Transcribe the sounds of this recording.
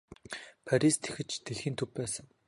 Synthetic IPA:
pʰaɾʲist̪ʰe̥xɘ̆t͡ɕt̪eɮxiːnt̪ʰɵppæːsə̆ŋ

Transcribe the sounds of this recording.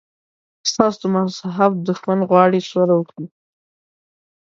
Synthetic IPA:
st̪ɑsd̪əmasaɦab̚d̪ʊxmand̪ɣwɑɽiswaɾawəkɽi

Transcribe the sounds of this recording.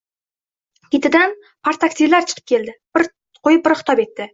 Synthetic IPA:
kʲet̪ɪd̪an | pʰaɾt̪ʰakst̪ilːaɾt͡ʃʰə̥qʰəp̚kʲʰe̞ld̪ɪbɪɾ | qʰojɪp̚bɪɾχt̪ʰɑpe̞t̪ːɪ

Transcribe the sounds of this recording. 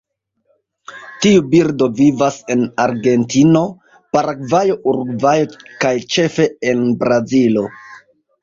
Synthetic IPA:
tiubiɾdo̞vivase̞naɾɡe̞ntino̞ | paɾaɡvajo̞ʔuɾɡvajo̞kajt͡ʃe̞fe̞enbɾazilo̞

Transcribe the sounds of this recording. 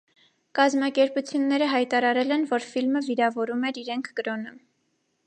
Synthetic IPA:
kɑzmɑkɛɾput͡sʰjunːɛɾəɦɑjt̪ɑɾɑɾɛlɛnvɔɾfilməviɾɑvɔɾumɛɾiɾɛŋkʰɡ̥əɾɔnə

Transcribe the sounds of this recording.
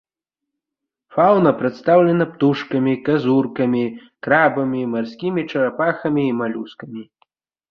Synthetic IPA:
fawnɐpɾɛt̪st̪awlʲɛnɐpt̪uʂkɐmʲikazurkɐmʲikɾabɐmʲimarsʲkʲimʲit͡ʂɐɾapaxɐmʲiːmalʲuskɐmʲi

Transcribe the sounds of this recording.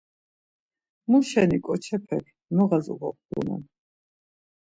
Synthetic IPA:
muʃɛnikʼɔt͡ʃʰɛpʰɛkʰ | mɔʁazṵʁɔ̰p̚ʰd̪ṵnɛ̰n

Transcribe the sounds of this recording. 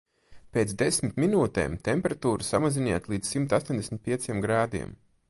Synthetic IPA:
peːt̪sd̪esmit̪minuːt̪ḛːmt̪empʲeɾat̪uːɾusa̰maziniɛt̪lˠiːd̪zsimt̪ast̪oɔnd̪esʲmʲit̪̚ʲpiɛsiɛmɡɾaːd̪ḭɛm

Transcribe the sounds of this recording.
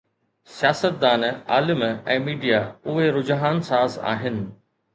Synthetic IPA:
sijaːsət̪̚d̪aːna̰ːlɪmɛ̃ːmiːɖijaʊɦeɾʊd͡ʑɦaːnsaːza̰ːɦɪnɪ̆

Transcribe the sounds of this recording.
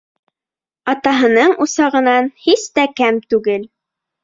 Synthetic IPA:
ɑt̪ɑɦɤ̆nɤɴusɑʁɤ̆nɑnhist̪ækæmt̪ʉɡɘl

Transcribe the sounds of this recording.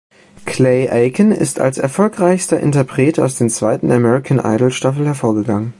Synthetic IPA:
kʰleɪʔaɪkənɪ̰stʰa̰lsɛ̰ɐfɔlkʁ̥aɪçstɐʔɪ̰ntɐpʁ̥eːta̰ʊsd̥eːnt͡sv̥aɪtn̩amɛʁɪkʰanʔa̰ɪdl̩ʃtafl̩hɛɐfoːɐɡəɡaŋən

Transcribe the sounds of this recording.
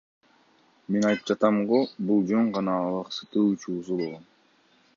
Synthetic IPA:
me̞nɑjt̪ɯp̚d͡ʒɑt̪ɑmʁobulˠd͡ʒøɴʁɑnɑlˠɑqsɯ̥t̪ɯːut͡ʃuːsubo̞lˠʁon

